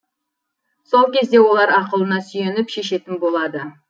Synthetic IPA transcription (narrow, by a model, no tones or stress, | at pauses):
so̞lˠkʲʰe̞zd̪e̞wo̞lˠɑɾɑqəlˠənɑsʏje̞nɪpʃe̞ʃe̞t̪ɪnbo̞lˠɑd̪ə